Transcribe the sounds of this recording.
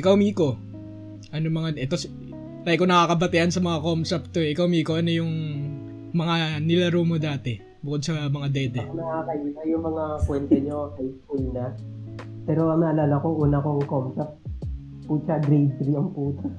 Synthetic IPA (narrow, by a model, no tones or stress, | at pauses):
ʔɪkawmiːko̞ | ʔɐnomɐŋaʔɛt̪os | lɐjko̞nɐkaːkɐbɐt̪ɪhɐnsɐmɐŋakomsɛp̚t̪oʔɪkawmiːko̞ʔɐnojʊŋ | mɐŋanɪlɐɾoːmod̪aːt̪ɛ | bʊkod̪sɐmɐŋad̪ɛːd̪ɛɐkonɐʔakɐʔiːsɐjʊŋmɐŋakwɛnt̪ɛɲoʔajskulnɐ | pɛːɾo̞ʔɐmɐʔɐlaːlɐkoʔuːnɐkoŋkomsɛp̚t̪ | puːt͡ʃɐɡɾejd̪̚ɾiɐŋpuːt̪ɐ